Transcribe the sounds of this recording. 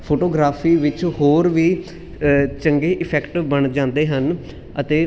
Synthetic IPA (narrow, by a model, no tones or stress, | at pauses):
pʰoːʈoːɡɾaːpʰiːʋɪt͡ʃhoːɾʋiː | t͡ʃəŋɡeːʔɪpʰɛːkʈbəɳd͡ʒãːnd̪eːɦən | ət̪eː